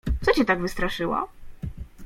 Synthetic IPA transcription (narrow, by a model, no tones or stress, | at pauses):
t̪sɔt͡ɕɛt̪aɡvɘst̪ɾaʂɘwa̰